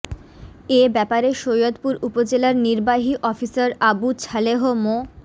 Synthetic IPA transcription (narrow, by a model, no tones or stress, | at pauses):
ebɛpaɾeʃojot̪puɾupod͡ʑelaɾniɾbaɦiʔɔfisaɾabut͡ɕʰaleɦomo